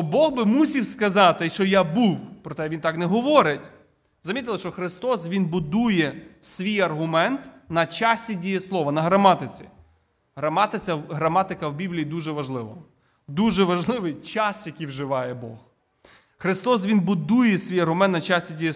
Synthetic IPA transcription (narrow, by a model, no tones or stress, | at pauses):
ɔbɔɣbɪmusʲiwskɐzɑt̪ɪʃt͡ʃɔjabuwpɾɔt̪ɛʋʲint̪ɑknɛɦɔʋɔɾɪtʲ | zɐmʲit̪̬ɪlˠɐʃt͡ʃɔxɾɪst̪ɔsʋʲinbʊd̪ujɛsʲʋʲijɐrɦʊmɛnt̪nɐt͡ʃasʲtʲidʲijɛslˠɔʋɐnɐɦɾɐmɑt̪ɪt͡sʲḭ | ɦɾɐmɑt̪ɪt͡sʲɐɦɾɐmɑt̪ɪkɐwbʲiblʲijid̪uʒɛʋɐʒlˠɪʋɐ | d̪uʒɛʋɐʒlˠɪʋɪjt͡ʃɑsjɐkʲijwʒɪʋɑjɛbɔh | xɾɪst̪ɔs̬ʋʲinbʊd̪ujɛsʲʋʲijɐrɦʊmɛnt̪nɐt͡ʃasʲtʲidʲijɛ